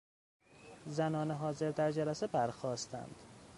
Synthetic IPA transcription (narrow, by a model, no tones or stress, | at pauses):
zænɒːneɦɒːze̞ɾd̪æɾd͡ʒælæsebæɾxɒːst̪ʰæ̰nd̪̥